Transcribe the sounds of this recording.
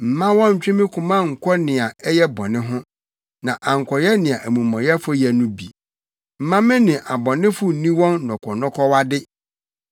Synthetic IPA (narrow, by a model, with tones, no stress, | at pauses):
m̩˨mã˦wɔ̃˦ɲ̩˨t͡ɕᶣɪ̃˦mɪ̃˦kʰʊ̃˨mã˦ŋ̩˨kʰʷɔ˦nɪ̃˨a˨ɛ˦jɛ˦bɔ̰˨nɪ̃˦ɦʊ̃˦ | nã˨ʔa˨ŋ̩˨kʰɔ˨jɛ˦nɪ̃˨a˨ʔæ˨mũ˨mɔ̃˨jɛ˦fʊ˦jɛ˨nũ˦bḭ˨ | m̩˨mã˦mɪ̃˦nɪ̃˨ʔa˨bɔ˨nɪ̃˦fʊ˦n˨nĩ˦wɔ̃˦nnɔ̃˨kʰɔ˨nɔ̃˦kʰɔ˦wa˦dɪ˦